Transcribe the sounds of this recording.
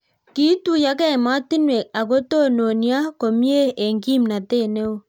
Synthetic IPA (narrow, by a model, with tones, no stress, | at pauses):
ki˦tu˦˨ja˦kɛ˦˨ma˦ti˦nwe˨a˨ko˦to˦˨no˨ni˦a˦ko˨mje˦e˨ŋɡi˦˨mna˨te˦˨ne˦o˦˨